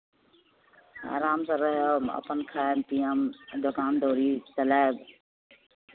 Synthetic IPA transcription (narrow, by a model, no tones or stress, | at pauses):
a̰ːɾaːmsãːɾəɦomə̰pənkʰaːempijəmd̪ʊkaːnd̪ʱoːɾit͡ʃəlaːeb